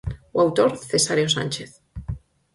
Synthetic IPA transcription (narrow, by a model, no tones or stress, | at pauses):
wawt̪oɾθesaɾjosa̰nʲt͡ʃeθ